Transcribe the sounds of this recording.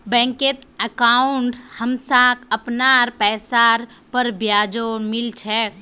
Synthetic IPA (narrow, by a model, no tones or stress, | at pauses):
bɛ̃ːŋket̪əkaːʊɳʈhəmsãkəpnaɾpɛːsaɾ | pəɾbjaːd͡ʒoːmɪlt͡ʃʰɛː